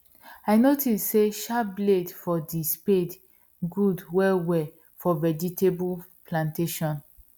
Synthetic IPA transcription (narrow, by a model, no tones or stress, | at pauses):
aɪnotisseʃabledfɔdisped | ɡudwɛwɛ | fɔvɛd͡ʒitʰebul | plãnteʃɔ̃n